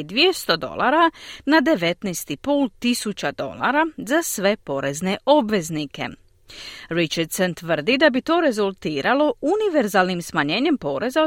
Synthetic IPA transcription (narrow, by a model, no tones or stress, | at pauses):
d̪ʋijest̪o̞d̪o̞̰la̰ːɾanad̪e̞ʋe̞t̪nɛst̪ipoːlt̪isut͡ɕad̪o̞̰la̰ɾazasʋe̞po̞ɾe̞zne̞ʔo̞bʋe̞znike̞̰ | ɾit͡ʃaɾd̪sent̪ʋr̩d̪id̪abit̪o̞ːɾe̞zulˠt̪iːɾalo̞uniʋe̞ɾzaːlˠnimsmaɲe̞ːɲe̞mpo̞ːɾe̞za